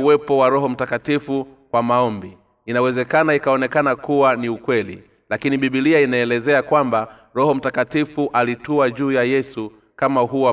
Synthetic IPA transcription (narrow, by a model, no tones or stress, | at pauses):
wɛpɔwaɾɔɦɔm̩takatifukwamaɔmbi | inawɛzɛkanaikaɔnɛkanakuwaniukwɛlḭ | lakiniɓiɓiliainaɛlɛzɛakwamba | ɾɔhɔm̩takatifuʔalituaʄuːjajɛsu | kamaɦuwa